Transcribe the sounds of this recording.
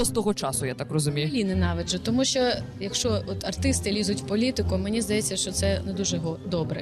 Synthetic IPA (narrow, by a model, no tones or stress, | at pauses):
ɔst̪ɔɦɔt͡ʃɑsʊjat̪akrɔzʊmʲijʊlʲinɪnɑʋeʒɛt̪ɔmuʃt͡ʃɔjɐkʃt͡ʃɔɔt̪ɐrt̪ɪst̪ɪlʲizʊtʲwpɔlʲit̪ɪkʊmenʲizd̪ɐjet͡sʲːɐʃt͡ʃɔt̪sɛnɛd̪uʒɛɦɔd̪ɔbɾɛ̰